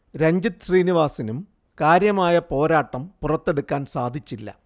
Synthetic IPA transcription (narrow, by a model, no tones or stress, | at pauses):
ɾɐɲd͡ʑit̪ɕriːniʋaːsinum | kaːɾjɐmaːjɐpo̞ːɾaːʈːɐmpurɐt̪ːe̞ɽukːaːnsaːd̪ʱit͡ɕːilːɐ̰